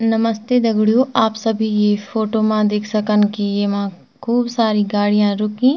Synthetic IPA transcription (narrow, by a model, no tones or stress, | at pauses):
nɐməst̪ed̪ɐɡɽijoʔaːpsɐbʱijepʰoːʈomãd̪eːkʰsəkənkijemã | kʰuːbsaːɾiɡaːɽijãɾʊkĩː